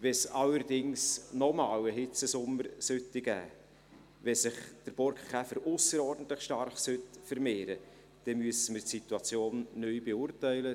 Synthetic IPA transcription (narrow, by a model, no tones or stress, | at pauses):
ʋɛsɑləɾd̥ɪŋsnɔmɑːwəɦɪt͡səsʊmːəɾsøtːɪɡ̥æ̰ː | vɛsɪχd̪̥əɾb̥ɔɾkχæfəɾʔʊsəɾɔɾdən̩t̪ləχʃtɑrχsøtfəɾmeːɾə | d̪̥ɛmyəsəmərtsit̪uɑt͡sjoːnːœjb̥eʊːrtɛɪlə